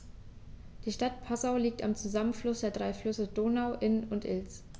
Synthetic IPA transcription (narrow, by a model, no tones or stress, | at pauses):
d̥iːʃtatpʰazaʊliːk̚tamt͡suzamənflʊsd̥eːɐdʁaɪflʏsədoːnaʊʔɪnəʊntʔɪ̰lt͡s